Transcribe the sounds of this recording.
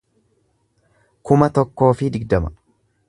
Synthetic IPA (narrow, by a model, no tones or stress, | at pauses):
kʊmɐt̪ɔkːo̞ːfɪd̪ɪɡd̪ɐmɐ